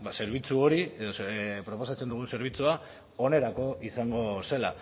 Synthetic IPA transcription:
se̞ɾβ̞it͡suo̞ɾie̞ðopɾo̞po̞sat͡send̪uɣ̞unse̞ɾβ̞it͡sua | o̞ne̞ɾako̞isaŋɡo̞se̞la̰

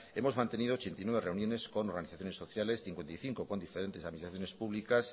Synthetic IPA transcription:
emo̞zmãnt̪eniðot͡ʃent̪inweβreunjonesko̞noɾɣaniθaθjone̞soθjalesθiŋkwe̞nt̪ajθiŋkoko̞nd̪ifeɾent̪eaðminist̪aθjo̞nespuβlikas

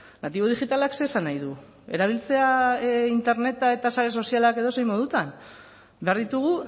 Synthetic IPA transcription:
nat̪iβo̞ð̞ixit̪alakse̞ːsanajðu | e̞ɾaβ̞ilt͡se̞aint̪e̞ɾne̞t̪ae̞t̪asaɾeso̞sialake̞ðo̞sejmo̞ðut̪an | be̞aɾðit̪uɣ̞u

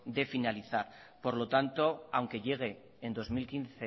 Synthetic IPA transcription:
d̪e̞finaliθaɾ | po̞ɾlo̞t̪ant̪o̞awŋke̞ʎe̞ɣ̞e̞ː | nd̪o̞zmilkinθe

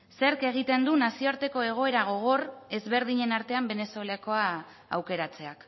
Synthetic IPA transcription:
se̞ɾke̞ɣ̞it̪e̞nd̪unasioaɾt̪e̞ko̞e̞ɣ̞o̞e̞ɾaɣ̞o̞ɣ̞o̞re̞zβe̞ɾðiɲe̞naɾt̪e̞ambe̞ne̞solako̞aː | wke̞ɾat͡se̞ak

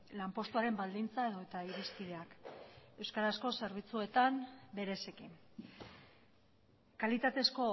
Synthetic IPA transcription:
lampo̞st̪uaɾe̞mbald̪int͡sae̞ðo̞et̪aiɾispið̞e̞ake̞wskaɾasko̞se̞ɾβ̞it͡sue̞t̪ambe̞ɾe̞se̞kin | kalit̪at̪e̞sko̞

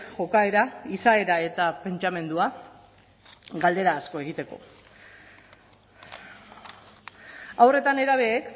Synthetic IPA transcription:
ʝo̞kae̞ɾaisae̞ɾae̞t̪ape̞nt͡ʃame̞nd̪ua | ɡald̪e̞ɾaːsko̞e̞ɣ̞it̪e̞ko̞̰ | awre̞t̪ane̞ɾaβ̞e̞ːk

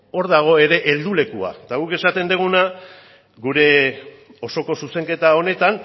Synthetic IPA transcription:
o̞ɾðaɣ̞o̞e̞ɾe̞ʔeld̪ule̞kua̰t̪aɣ̞uke̞sat̪e̞nd̪eɣ̞una | ɡuɾe̞ | o̞so̞ko̞suse̞ŋke̞t̪ao̞ne̞t̪an

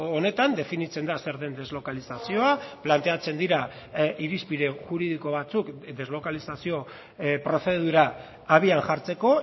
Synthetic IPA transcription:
one̞t̪and̪e̞finit͡se̞nd̪ase̞ɾðe̞nd̪e̞zlo̞kalisasio̞aplant̪eat͡se̞nd̪iɾa | iɾispiðe̞ʝuɾið̞iko̞β̞at͡sukd̪e̞zlo̞kalisasio̞ | pɾo̞θe̞ð̞uɾaː | β̞ianʝaɾt͡se̞ko̞

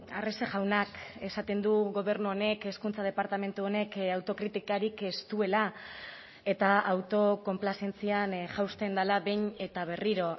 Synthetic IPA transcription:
a̰rese̞ʝawnake̞sat̪e̞nd̪uɣo̞β̞e̞ɾnuo̞ne̞ke̞skunt͡sað̞e̞paɾt̪ame̞nt̪uo̞ne̞kawt̪o̞kɾit̪ikaɾike̞st̪ue̞la | e̞t̪aawt̪o̞ko̞mplase̞nt͡sianʝawst̪e̞nd̪alaβe̞jɲe̞t̪aβ̞e̞riɾo̞

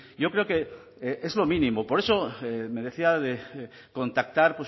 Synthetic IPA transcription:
jo̞kɾe̞oke̞ | ee̞zlo̞mĩnĩmopo̞ɾe̞so̞eme̞ðe̞θiaðe | ko̞nt̪ak̚t̪aɾpwes

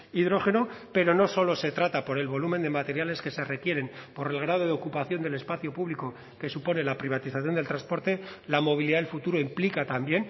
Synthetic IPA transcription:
iðɾo̞xe̞no̞pe̞ɾo̞no̞so̞lo̞se̞t̪ɾat̪apo̞ɾe̞lβo̞lume̞nd̪e̞mat̪e̞ɾjale̞ske̞se̞re̞kje̞ɾe̞mpo̞ɾe̞lɣ̞ɾað̞o̞ð̞eo̞kupaθjo̞nd̪e̞le̞spaθjo̞puβliko̞ | ke̞supo̞ne̞lapɾiβ̞at̪iθaθjo̞nd̪elt̪ɾanspo̞ɾt̪e̞lamo̞β̞iliðaðelfut̪uɾo̞implikat̪ambje̞n

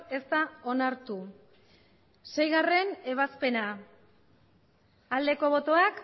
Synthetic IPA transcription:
e̞st̪ao̞naɾt̪u | se̞jɣare̞ne̞β̞aspe̞na | ald̪e̞ko̞β̞o̞t̪o̞ak

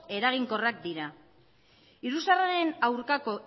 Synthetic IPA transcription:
e̞ɾaɣ̞iŋko̞rak̚d̪iɾa | iɾusaraɾe̞nawɾkako̞

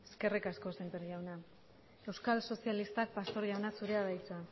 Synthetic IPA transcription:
eske̞rikasko̞semp̪eɾʝawna | e̞wskalso̞sialist̪ak̚past̪o̞ɾʝawnasuɾe̞aðajt͡sa

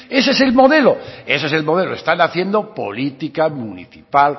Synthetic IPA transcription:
e̞sese̞lmo̞ðe̞loeseselmo̞ð̞e̞loest̪anaθje̞nd̪o̞po̰lit̪ikamunḭθipal

